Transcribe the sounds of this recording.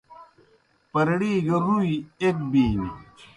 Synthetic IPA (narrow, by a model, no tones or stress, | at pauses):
pɐɾɐɽiːɡɐɾũiek̚biːnḭ